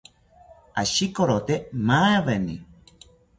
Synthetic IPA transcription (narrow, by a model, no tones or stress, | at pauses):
aʃikoɾot̪emaeβenḭ